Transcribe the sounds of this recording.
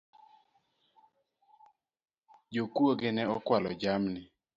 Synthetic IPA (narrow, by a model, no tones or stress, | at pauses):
d͡ʒokwoɡɪnɛɔkwalɔ̰d͡ʒamnɪ